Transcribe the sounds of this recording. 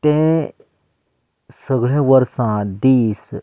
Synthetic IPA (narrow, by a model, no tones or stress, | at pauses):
t̪ẽ | səɡɭẽʋəɾsãd̪iːs